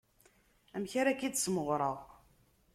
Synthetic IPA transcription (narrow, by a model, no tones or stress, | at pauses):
æmçaɾakid̪sməʁɾˤəʁ